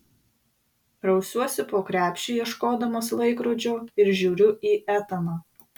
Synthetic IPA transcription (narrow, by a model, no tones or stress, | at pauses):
ɾɐʊsʲuɔsʲɪpoːkɾʲæːpʲʃʲt͡ʃʲiːjiɛʃkoːd̪ɐmoːslˠɐɪkɾoːd͡ʒʲoːɪɾʒʲuːɾʲʊʔiːʔæːt̪ɐnɐ